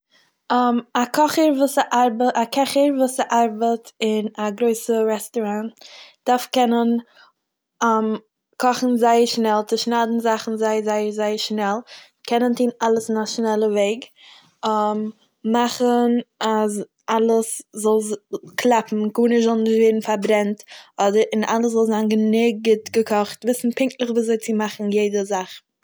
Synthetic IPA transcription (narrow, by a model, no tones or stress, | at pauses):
amakʰɔχəɾvuːsaʔaɾbəakɛχəɾvuːsaʔaɾbətɪnaɡɾoɪsəɾɛstɔɾantd̥aɾfkɛnən | m | kʰɔχn̩zaɪəɾʃnɛlˠt͡sɪʃnaːdn̩zaχn̩zaɪəzaɪəɾzaɪəɾʃnɛlˠ | kʰɛnəntiːnalˠəsɪnaʃnɛlˠəveɪɡ | m | maχənas | ʔalˠəszɔlˠkʰlˠapm̩kuːnɪzɔlˠnɪʃtveɪɾn̩faɾbɾɛntɔdəɾɪna̰lˠəs̬zɔlˠzaːnɡənɪɡ̚ɡətɡəkʰɔχtvɪsn̩pɪŋk̚tlˠəχviːszoɪt͡simaχn̩jeɪdəzaχ